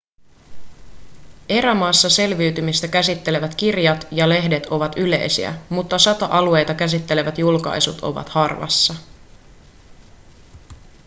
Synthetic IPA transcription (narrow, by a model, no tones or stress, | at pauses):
e̞ɾæmɑːsːɑse̞lʋiːt̪ymist̪ækæsit̪ːe̞le̞ʋæt̪k̟irjɑt̪jɑle̞ɦde̞t̪o̞ʋɑt̪yle̞̰jsḭæ̰mut̪ːɑsɑt̪oʔɑlue̞jt̪ɑkæs̬it̪ːe̞le̞ʋæt̪julkɑ̰jsut̪ʰo̞̰ʋɑ̰t̪hɑrʋɑ̰sːɑ